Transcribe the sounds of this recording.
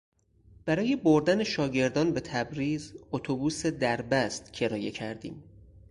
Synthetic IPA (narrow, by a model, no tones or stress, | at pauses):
b̥æɾɒːje̞boɾd̪æneʃɒːɟe̞ɾd̪ɒːnbet̪ʰæbɾiːzot̪ʰobuːse̞d̪æɾbæst̪cʰe̞ɾɒːje̞cʰæɾd̪ḭːm